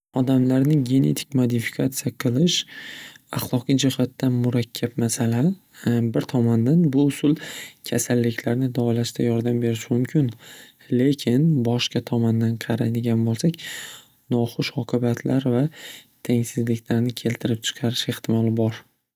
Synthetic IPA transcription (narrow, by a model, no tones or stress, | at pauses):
ɒd̪amlaɾnɪɡʲe̞ne̞̰t̪ʰɪ̥k̚ʲmod̪ɪfi̥kʰat̪sijaqʰɨlˠɪʃ | a̰χlˠɒqijd͡ʒɪhat̪ːanmʊɾakʲʰːapmasala | bɪɾt̪ʰɒmand̪anbʊʊsʊlˠkʲʰasalːɪkʲʰlaɾnɪd̪ɒlaʃt̪ʰajɒɾd̪ambe̞ɾɪʃmʊmkʲʰɪn | le̞kʲʰɪnbɒʃqɑt̪ʰɒmand̪anqʰɑɾad̪ɪɡʲanbolˠsakʲ | nɒχʊʃɒqʰɨbat̪ʰlʔaɾvat̪ʰeŋʲsɪzlɪkʲlaɾnɪkʲʰe̞lt̪ʰɪɾɪp̚t͡ʃʰɨ̥qʰɑɾɪʃeχt̪ʰɪmɒlɪbɒɾ